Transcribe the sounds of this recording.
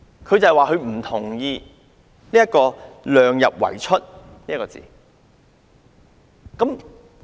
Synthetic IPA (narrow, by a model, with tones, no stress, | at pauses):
kʰɵ˨˧ɥt͡sɐ˨hɛ˨waː˨ɦɵ˨˧ɥm̩˨˩t̪ʰʊ˨˩ŋjiː˧ | niː˥jɐ˥t̚kːɔː˧lœː˨˧ŋjɐ˨p̚wɐ̰˨˩jt͡ʃʰɵ˥t̚niː˥ɐ˥kɔː˧t͡sḭː˨ | kɐ˨˥m